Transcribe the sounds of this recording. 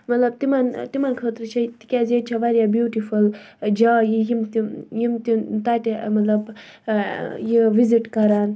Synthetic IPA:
mɐt̪lɐb̚t̪imɐnt̪imɐnkʰət̪ɾɨt͡ʃʰɐt̪i̥kʲazet͡ʃʰɐʋɐɾjabjuːʈiful | d͡ʒaːjijimt̪ijimt̪it̪aʈmɐt̪lɐb | jiʋiziʈkɐɾaːn

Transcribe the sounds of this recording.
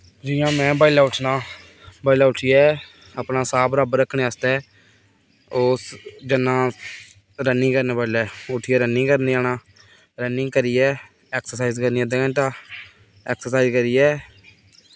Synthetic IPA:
d͡ʒɪjãːmɛ̃ːbaːilaːʊʈʰnaː | baːilaːʊʈʰijɛː | əpnaːsaːbɾaːbɾəkʰɳeːast̪ɛː | oːsd͡ʒənãː | ɾənːɪ̃ːkəɾnẽːbaːilɛːʊʈʰːiːɛːɾənĩːkəɾniːaːnaː | ɾənɪ̃ŋkəɾiːɛː | ɛːksəɾsaːiːzkəɾniːɛːd̪eə̃ɳʈaː | ɛːksəɾsaːizkəɾiːɛː

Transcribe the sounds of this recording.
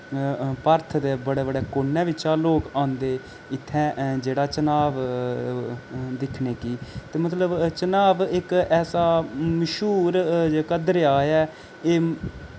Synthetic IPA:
pəɾt̪ʰd̪eːbəɽeːbəɽeːkoːnːɛ̃ːʋɪt͡ʃaːloːkãːnd̪eː | ɪt̪ʰːɛ̃ːd͡ʒeːɽaːt͡ʃənaːʋ | d̪ɪkʰneːkiːt̪eːmət̪ləbt͡ʃənaːʋɪkɛːsaːməʃuːɾd͡ʒeːkəd̪ɾeaːjɛː | eː

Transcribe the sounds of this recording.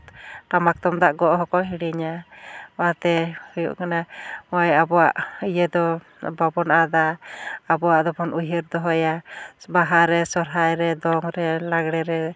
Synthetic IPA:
tamak̚t̪ɔmd̪aʔɡɔʔɦɔkɔɦiɽiɲa | at̪ɛhujṵʔkanamɔjabɔwa̰ʔijɛd̪ɔ | babɔnaʔad̪aː | bɔwaʔd̪ɔpʰɔnujəɾd̪ɔɦɔjabaɦaɾɛsɔɾɦajɾɛd̪ɔŋɾɛlaɡɽɛɾɛ

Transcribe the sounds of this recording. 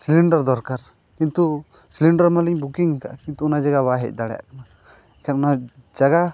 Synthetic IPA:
siliɳɖaɾd̪ɔɾkaɾ | kint̪usiliɳɖaɾmaliɲbukiŋka̰ʔkint̪uunad͡ʒaɡabaɦɛ̰c̚ˀd̪aɽɛja̰ʔkana | kʰaɾnad͡ʒaɡa

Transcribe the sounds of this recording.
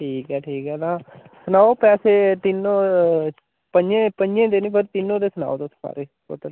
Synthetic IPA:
ʈʰiːkɦɛːʈʰiːkɛːt̪ãː | sənaːopɛːseːt̪ɪnːõ | pəɲd͡ʒẽːpəɲd͡ʒẽːd̪eːnĩːpʰəɾt̪ɪnːõːd̪eːsəna̰ːot̪ospa̰ːɾeː | o̰t̪ə

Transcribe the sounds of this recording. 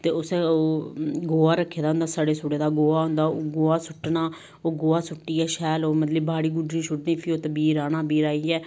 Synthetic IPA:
t̪eːʊsɛːoːɡoːaːɾəkʰːeːd̪aːɦʊnd̪aːsaːɽeːsoːɽeːd̪aːɡoːaːɦʊ̃nd̪aːoːɡoːaːsʊʈːnaː | oːɡoːaːsʊʈːiːɛːʃɛːloːmət̪ləbbaːɽiːɡʊɖɾĩːʃʰʊɽd̪ĩːpʰioːt̪əbiːɾaːnãːbiːɾaːiːɛː

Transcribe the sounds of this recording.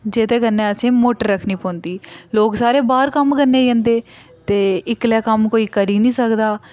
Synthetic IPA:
d͡ʒet̪eːkənːẽːəsẽːmoːʈəɾːəkʰniːpɔ̃ːnd̪iːloːksaːɾeːbaːɾkəmkəɾneːd͡ʒẽːnd̪eː | t̪eːɪklɛːkəmkoːiːkəɾiːnĩːsəkd̪aː

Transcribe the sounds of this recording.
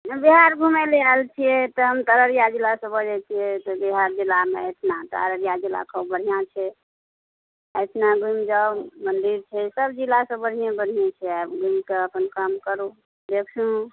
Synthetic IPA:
biɦaɾɡʱumelealt͡ʃʰijɛt̪ɔɦəmt̪əɾəɾjad͡ʒilasə̃bəd͡ʒɛt͡ʃʰijɛt̪ɔbiɦaɾd͡ʒilameet̪ʰnat̪a̰ɾəɾjad͡ʒila̰kʰəbəɽ̤ʱijãt͡ʃʰɛ | ət̪ʰnaɡumd͡ʒaumənd̪iɾt͡ʃʰɛsəbd͡ʒilasə̃bəɽ̤ijẽbəɽ̤ʱijet͡ʃʰɛabɡumkeəpənkəmkəɾu | d̪ekʰt͡ʃʰũ

